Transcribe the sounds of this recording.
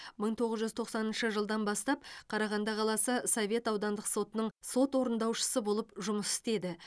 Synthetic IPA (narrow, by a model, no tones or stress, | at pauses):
məɴt̪ʰo̞ʁəzʒʏzt̪ʰo̞qsɑnənʃəʒəlˠd̪ɑnbɑst̪ɑp̚qʰɑɾɑʁɑnd̪ɑqʰɑlˠɑsəsovʲe̞t̪ɑwd̪ɑnd̪əqso̞t̪ənəɴso̞t̪wo̞ɾənd̪ɑwʃə̥səbo̞lˠəpʒʊməsɪ̥st̪e̞d̪ɪ